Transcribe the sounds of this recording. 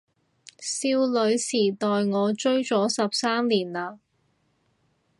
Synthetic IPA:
siː˧wlɵ˨˧ɥsiː˨˩t̪ɔː˨jŋɔː˨˧t͡ʃɵ˥ɥt͡sɔː˨˥sɐ˨p̚saː˥mliː˨˩nlaː˧

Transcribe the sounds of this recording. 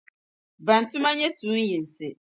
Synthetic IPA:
ba˨n˨tʊ˦ma˦ɲɛ˦tuː˨˦n˦ji˨n˨sɪ˨

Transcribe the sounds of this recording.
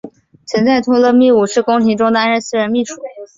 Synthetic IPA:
t͡sʰə˧˥nt͡sa˥˩ɪt̪ʰʊ˥ŋlə˥˧mi˥˩u˨˩ʂɻ̩˥˩kʊ˥ŋt̪ʰi˧˥ŋʈ͡ʂʊ˥ŋd̪ɻə˧˥nsɹ̩˥˩ɻə˧˥mi˥˩ʂu̥˨˩˦

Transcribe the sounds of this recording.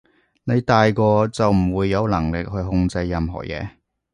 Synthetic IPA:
ne˨˧jt̪aː˨jkɔː˧t͡sɐ˨wm̩˨˩wuː˨˧jːɐ˨˧wlɐ˨˩ŋlɪ˨k̚hɵ˧ɥɦʊ˧ŋt͡sɐ˧jːɐ˨mɦɔ̰ː˨˩jɛ̰ː˨˧

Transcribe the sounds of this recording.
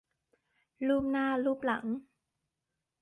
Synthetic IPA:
luː˥˩p̚naː˧˥˩luː˥˩p̚la̰˩˦ŋ

